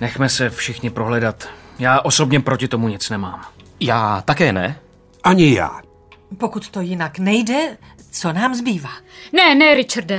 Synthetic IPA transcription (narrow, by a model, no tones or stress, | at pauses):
nɛxmɛsɛfʃɪxɲɪpɾoɦlɛdat̪jaːʔosobɲɛpɾocɪt̪omuɲɪt͡snɛmaːmjaːt̪akɛːnɛ̰ | ʔaɲɪja̰ː | po̞kut̪t̪o̞jɪnaknɛjdɛ | t͡so̞naːmzbiːvaːnɛnɛɾɪt͡ʃaɾdɛ